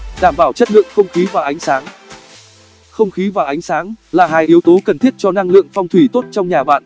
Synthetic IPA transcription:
ɗaː˧˩mɓaː˧˩wt͡ɕə˦˥t̚lɨ̰˧˨əŋxə˧wŋ͡mxi˨˦vaː˨˩ʔa˨˦jŋ̟saː˨˦ŋ | xə˧wŋ͡mxi˨˦vaː˨˩ʔa˨˦jŋ̟saː˨˦ŋlaː˨˩ɦaː˧jʔi˨˦əwt̪o˨˦kə˨˩nt̪ʰi˦˥ət̚t͡ɕɔ˧na˧ŋlɨ̰˧˨əŋfɔ˧wŋ͡mt̪ʰwi˧˩t̪o˦˥t̚t͡ɕɔ˧wŋ͡mɲaː˨˩ɓa̰ː˧˨n

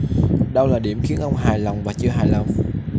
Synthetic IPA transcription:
ɗə˧wlaː˨˩ɗi˧˩əmxi˨˦ənʔə˧wŋ͡mɦaː˨˩jla˨˩wŋ͡mvaː˨˩t͡ɕɨ˧əɦaː˨˩jla˨˩wŋ͡m

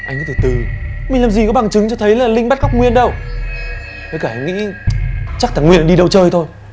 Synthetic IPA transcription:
ʔa˧jŋʔa˧˦˥t̪ʰə˧˩t̪ɨ˨˧˩mi̟˨˩laː˨˩mzi˨˩kɔ˨˦ɓa˨˩ŋt͡ɕɨ˨˦ŋt͡ɕɔ˧t̪ʰə˨˦jlaː˨˩lï˧ŋɓa˦˥t̚ɣa˦˥k͡p̚ŋwi˧˨ənɗə˧w | ɓə˨˦jkaː˧˩ha˧jŋ̟ŋḭ˧˥ | t͡ɕa˦˥k̪̚ʰaː˧˩ŋwḭ˧˨ə˨nɗi˧ɗə˧wt͡ɕəː˧jt̪ʰo˧j

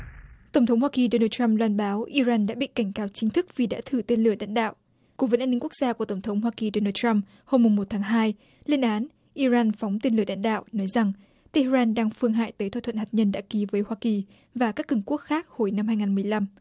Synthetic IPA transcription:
t̪ə˧˩wŋ͡mt̪ʰə˨˦ŋ͡mhwaː˧ki˨˩ɗo˧naː˧tta˧mlwaː˧nɓaː˨˦wʔi˧zaː˧nɗa̰ː˧˥ɓḭ˧˨ka˧˩jŋ̟kaː˨˦wt͡ɕï˨˦ŋ̟t̪ʰɨ˦˥k̚vi˨˩ɗa̰ː˧˥t̪ʰɨ˧˩t̪e˧nlɨ˧˩əɗa̰ː˧˨ŋɗa̰ː˧˨w | ku˧˥və˨˦nʔa˧nːi˧ŋku˦˥k̚z̥aː˧ku˧˩ət̪ə˧˩ŋ͡mt̪ʰə˨˦wŋ͡mɦwaː˧ki˨˩ɗo˧naː˧t̚t͡ɕa˧m | ho˧mːʊ˨˩ŋ͡mmo˨˩t̚t̪ʰaː˨˦ŋɦaː˧j | li˧ənʔaː˨˦n | ʔi˧zaː˧nfa˨˦wŋ͡mt̪e˧nlɨ˧˩ə˩ɗa̰˧˨nɗa̰ː˧˨wʔnɔ˨˦jza˨˩ŋ | t̪e˧ʔzaː˧nɗaː˧ŋfɨ˧əŋɦa̰ː˧˨jt̪əː˨˦t̪ʰwa˧t̪ʰw̰nha˨˩ɲə˧nɗa̰ː˧˥ki˨˦vəː˨˦jhwaː˧ki˨˩ | vaː˨˩kaː˦˥kːɨ˧˩ŋku˦˥ək̚xaː˦˥k̚ho˧˩jna˧mhaː˧jŋaː˨˩nmɨ˨˩əjla˧m

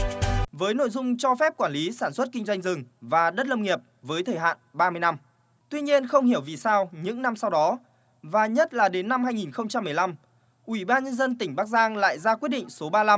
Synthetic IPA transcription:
vəː˨˦jno̰˧˨jzʊ˧ŋ͡mt͡ɕɔ˧fɛ˦˥p̚kwaː˧˩nli˨˦saː˧˩nswə˦˥t̚kï˧ŋ̟zwa˧jŋ̟zɨ˨˩ŋvaː˨˩ɗə˦˥t̚lə˧wŋ͡mŋi˨˩əp̚vəː˨˦jt̪ʰəː˨˩jɦa̰ː˧˨nɓaː˧mɨ˧əjna˧m | t̪wi˧ɲi˧ənxə˧wŋ͡mhi˧˩əwvi˨˩saː˧wɲɨ̰˧˥ŋna˧msa˧wɗɔ˨˦ | vaː˨˩ɲə˦˥t̚laː˨˩ɗe˨˦nːa˧mhaː˧jŋi˨˩nxə˧wŋ͡mt͡ɕa˧mː˨˩jla˧m | ʔwi˧˩ɓaː˧nɲə˧nzə˧nt̪ï˧˩ŋ̟ɓaː˦˥k̚zaː˧ŋla̰ː˧˨jzaː˧kwi˦˥ət̚ɗḭ˧˨ŋ̟so˨˦ɓaː˧la˧m

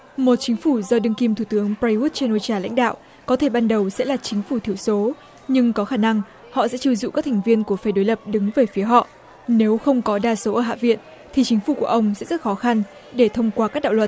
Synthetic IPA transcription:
mo˨˩t̚t͡ɕï˨˦ŋ̟fu˧˩zɔ˧ɗɨ˧ŋki˧mt̪ʰu˧˩t̪ɨ˨˦əŋpɹa˧ju˦˥t̚t͡ɕe˧nʔo˧t͡ɕaː˧la̰˧˥jŋ̟ɗa̰ː˧˨wʔ | kɔ˨˦t̪ʰe˧˩ɓaː˧nɗə˨˩wsɛ̰˧˥laː˨˩t͡ɕï˨˦ŋ̟fu˧˩t̪ʰi˧˩əwso˨˦ | ɲɨ˧ŋkɔ˨˦xaː˧˩na˧ŋ | hɔ̰˧˨sɛ̰˧˥t͡ɕi˧wzṵ˧˨ʔkaː˦˥t̪ʰa˨˩ŋ̟vi˧ənku˧˩əfaː˧˩jɗo˨˦jlə˨˩p̚ɗɨ˨˦ŋveː˨˩jfi˨˦əɦɔ̰˧˨ | ne˨˦wxə˧wŋ͡mkɔ˨˦ɗaː˧so˨˦ʔəː˧˩ɦa̰ː˧˨vḭ˧˨ən | t̪ʰi˨˩t͡ɕï˨˦ŋ̟fu˧˩ku˧˩əʔə˧wŋ͡msɛ̰˧˥zə˦˥t̚xɔ˨˦xa˧n | ɗe˧˩t̪ʰə˧wŋ͡mkwaː˧kaː˦˥k̚ɗa̰˧˨wə˨˩t̚

